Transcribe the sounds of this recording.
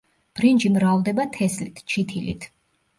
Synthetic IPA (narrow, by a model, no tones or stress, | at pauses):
b̥ɾind͡ʒimɾavd̪ɛbat̪ʰɛslit̪ʰt͡ʃʰit̪ʰilḭt̪ʰ